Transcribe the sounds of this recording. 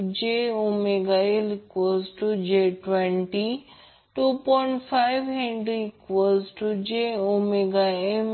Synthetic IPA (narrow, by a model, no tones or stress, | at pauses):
d͡ʒeomeɡaelkʋosʈud͡ʒeʈwẽɳʈi | ʈuːpɔɪɳʈfʰaɪʋɦẽɳɖɾikʋəsʈud͡ʒeomeɡaem